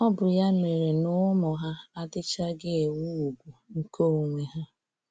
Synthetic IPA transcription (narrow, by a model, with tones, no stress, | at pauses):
ɔ˦bʊ˨ja˦me˨ɾe˨nʊ˦mɔ˨ɦa˦a˦dɪ˦t͡ʃa˦ɡɪ˦e˨wu˦u˨ɡʷu˨ŋ̩˦ko˦˨ŋʷe˨ɦa˦